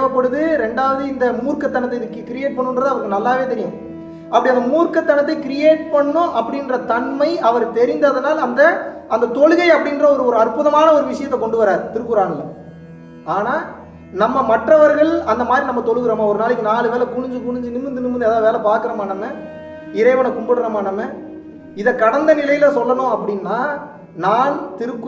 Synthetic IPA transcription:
ʋɐpːɐɽɯðɯɾɛɳɖaːʋɐðɯɪnd̪ɐmuːɾkɐt̪ːɐɳɐt̪ːɐɪnɪkːɯkɪɾɪjeːʈ̚pɐɳːɯndrɐðɯɐʋɐɾkːɯnɐlːaːʋeːt̪ɛɾɪjʊ̃ | ɐpːɐɽiɐnd̪ɐmuːɾkɐt̪ːɐɳɐt̪ːɐɪkɪɾɪjeːʈ̚pɐɳːʊ̃ʔɐpːɐɽɪndrɐt̪ɐɳmɐɪʔɐʋɐɾt̪ɛɾɪnd̪ɐðɐnaːlɐnd̪ɐɐnd̪ɐt̪ɔɻɯɣɐɪɐpːɐɽɪndrɐɔɾɯɔɾɯɐrpʊðɐmaːnɐɔɾɯʋɪʂɐjɐt̪ːɛkɔɳɖɯʋɐɾaːɾt̪ɪɾɯkːɯɾaːɳɐlːɐ̰ | aːnaː | nɐmːɐmɐʈrɐʋɐɾɣɐɭɐnd̪ɐmaːd̪ɾinɐmːɐt̪ɔɻɯɣɯɾɐːmaːɔɾɯnaːlɯkːɯnaːlɯʋeːlɐkʊɳʊɲd͡ʒɯkʊɳɪɲd͡ʒɯnɯmɯnd̪ɯnɯmɯnd̪ɯɛðaːʋeːlɐpaːɾkɯɾɐmaːɳːɐmːeː | ɪɾɐɪʋɐnɐkʊmbɐɽɯɾɐmaːnɐmːe | ɪðɐkːɐɽɐnd̪ɐnɪlɐjɪlɐsɔlːɐnõːɐpːɐɽɪnːaː | naːnt̪ɪɾɯkː

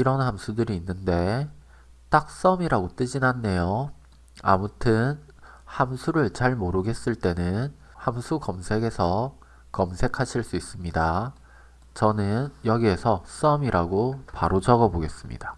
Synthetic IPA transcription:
iɾʌnhamsʰudɯɾiːnːɯnde̞ | t͈ak̚s͈ʌmiɾaɡot͈ɯd͡ʑinanːe̞jo | a̰mutʰɯn | hamsʰuɾɯɭt͡ɕaɭmoɾɯɡe̞s͈ɯɭt͈e̞nɯn | hamsʰukʌmsʰe̞ɡe̞sʰʌ | kʌmsʰe̞kʰaɕʰiɭs͈uis͈ɯmɲida | t͡ɕʌnɯnjʌɡie̞sʰʌs͈ʌmiɾaɡopaɾod͡ʑʌɡʌboɡe̞s͈ɯmɲḭd̥a

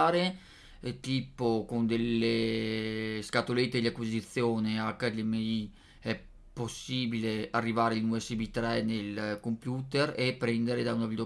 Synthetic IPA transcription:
ɾe | t̪iːpokond̪elːe | skat̪olet̪ːed̪iakwizit̪sːjoːneakːad̪ɛmei | ɛ | pːosːiːbilearːivaːɾeilnuesebit̪ɾɛnelkompjuːt̪erepːɾɛnd̪eɾed̪aunavild̪o

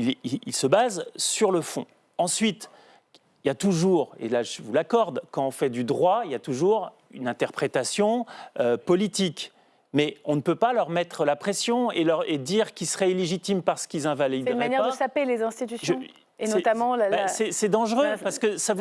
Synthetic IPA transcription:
iliilsəbazsyʁləfɔ̰̃ | ɑ̃sɥit̪ | iljat̪uʒuʁḛlaʒəvulakɔʁd̪kɑ̃ɔ̃fɛd̪yd̪ʁwailjat̪uʒuʁ | ynɛ̃t̪ɛʁpχet̪asjɔ̃øpɔlit̪ik | mɛɔ̃nəpøpalœʁmɛt̪χəlapχɛsjɔ̃elœʁed̪iʁkʲilsəʁɛileʒit̪impaʁsə̥kilzɛ̃valid̪inmanjɛʁd̪əsapelezɛ̃st̪it̪ysjʒ | enɛt̪amɑ̃basɛsɛd̪ɑ̃ʒʁøpaʁsə̥kəsav

